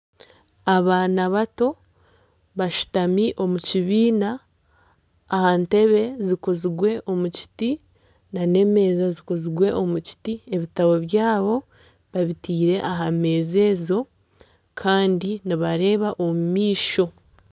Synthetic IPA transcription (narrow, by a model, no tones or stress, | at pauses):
aβaːnaβato̞ | βaʃu̥tamiʔo̞muciβiːna | hante̞βe̞zikoziɡwe̞ʔo̞muci̥ti | nane̞me̞ːzazikoziɡwe̞ʔo̞muci̥tie̞βitaβo̞βjaːβo̞ | βaβitiːɾe̞ʔaɦame̞ːze̞ːzo̞ | kʰaːndiniβaɾe̞ːβaʔomumiːʃo̞